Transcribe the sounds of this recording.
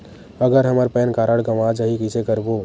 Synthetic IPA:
əɡəɾɦəməɾpɛnkaɾəɽɡəʋad͡ʒəɦikisekəɾbo

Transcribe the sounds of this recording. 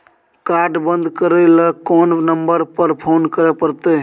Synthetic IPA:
kaɾɖbənd̪ʱkəɾeləkɔːnnəmbəɾpəɾpʰoːnkəɾepəɾt̪e

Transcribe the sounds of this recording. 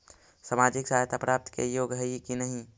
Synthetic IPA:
samaːd͡ʒɪksaɦt̪ʰapɾaːp̚t̪kḛjoɡɦəikinəɦĩ

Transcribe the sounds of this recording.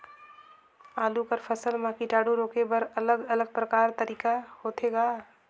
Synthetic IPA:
aːlukəɾpʰəsəlmãːkiʈaːɽuɾoːkebəɾələɡɐləɡ̚pɾəkaːɾt̪əɾiːkahoːt̪ʰeɡaː

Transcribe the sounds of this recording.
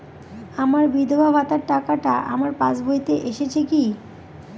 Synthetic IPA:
amaɾbid̪ʱobʱabʱat̪aɾʈakaʈaʔa̰maɾpat͡ɕbʱojt̪eʔeʃet͡ɕʰeki

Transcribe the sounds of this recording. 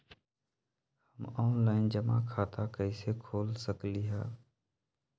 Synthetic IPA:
həmɔːnlaːɪnd͡ʒəma̰kʰaːt̪akəisekʰoːlsəkliːɦa̰ː

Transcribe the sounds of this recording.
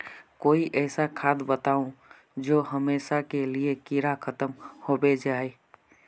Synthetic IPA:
koːiʔɛːsakʰaːd̪bət̪aːũ | d͡ʒoːɦəmeːʃakeliekiɾakʰət̪əmhobed͡ʒaːe

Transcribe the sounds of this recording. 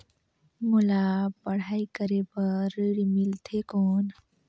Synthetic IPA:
mulapəɽ̤aːikəɾepəɾɽimilt̪ʰekɔːn

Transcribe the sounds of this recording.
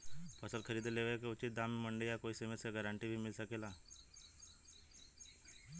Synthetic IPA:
pəsəlkʰəɾid̪leʋəekeut͡ɕit̪̚d̪amməɳɖəjakoisemeseɡəɾãɳʈibʱiːmilsəkela

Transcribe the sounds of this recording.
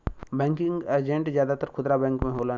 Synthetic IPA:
bɛ̃ːŋkɪŋɡed͡ʒẽɳʈzjaːd̪at̪əɾkʰʊd̪ɾabɛ̃ːŋkmẽɦoːlaː

